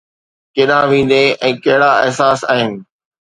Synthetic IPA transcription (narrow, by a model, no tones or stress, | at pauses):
keɗãʋĩːn̆d̪eɛ̃ːkɐɦɪɽaɪɦsaːsaːɦɪnɪ̆